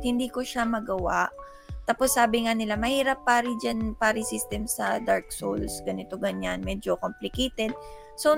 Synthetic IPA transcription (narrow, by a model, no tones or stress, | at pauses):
hɪnd̪iːkoʃamɐɡɐwaʔ | t̪aposːaːbɪŋanɪlamɐhiːɾɐpːaːɾɪd͡ʒanpaːɾɪsist̪ɛmsɐd̪aɹk̚so̰lsɡɐnɪt̪o̞ɡɐɲanmɛːd͡ʒokomplɪkejt̪ɛd̪̚ | so